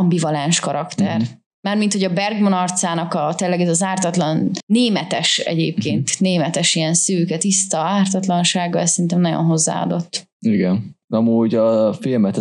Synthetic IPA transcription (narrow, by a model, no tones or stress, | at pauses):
ɒmbivɒlanʃkɒɾɒkt̪ɛr | maːrmint̪hoɟɒbɛrɡmonɒrt̪saːnɒkɒt̪eːlːɛɡɛzɒzaːrt̪ɒt̪lɒnːeːmɛt̪ɛʃɛ̰ɟḛːp̚kḛːnt̪neːmɛt̪ɛʃiɛnsøːkɛt̪ist̪ɒaːrt̪ɒt̪lɒnʃaːɡɒɛsːɛɾint̪ɛmnɒjo̰nɦo̞zːa̰ːɒ̰d̪o̞t̪ː | iɡɛnɒmuːɟɒfilmɛt̪